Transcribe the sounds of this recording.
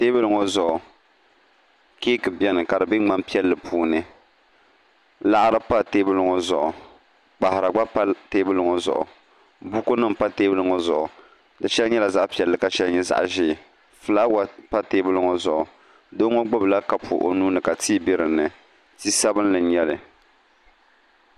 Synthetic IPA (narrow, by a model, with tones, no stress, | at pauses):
te˦bɨ˦lɨ˦ŋo˦zʊ˨ʔʊ˨ | ke˦kɨ˨bɛ˦nɨ˨ka˨dɨ˨bɪ˦ŋ͡ma˦mpi˦ɛ˦lːɨ˨pʰuː˦nɨ˦ | la˦ʔɾɨ˦pa˦teː˦bɨ˦lɨ˦ŋo˨zʊ̰˨ʔʊ˨ | k͡pa˨hɪ˨ɾa˨ɡ͡ba˦pa˦teː˦bɨ˦lɨ˦ŋo˦zʊ̰˨ʔʊ̰˨ | bu˦ko˦nɨ˦m˨pa˦teː˦bɨ˦lɨ˦ŋɔ˦zʊ̰˨ʔʊ˨ | dɨ˨ʃɛ˦lɲɛ˦la˨za˦ʔpi˦ɛ˨lːɨ˨ka˨ʃɛ˦lɲɛ˦za̰˦ʔʒɪ˦˨ | fɨ˨la˦wa˦pa˦teː˦bɨ˦lɨ˦ŋo˨zʊ̰˨ʔʊ˨ | do˦ŋo˦ɡ͡bʊ˦bla˦ka˨pʰṵ˨ʔo̰˨nuː˦nɨ˨ka˨tiː˦bɪ˦ɾɨ˨nɨ˨ | ti˦sa˦bɨ˦n˦lɨ˨ɲɛ˦lɨ˨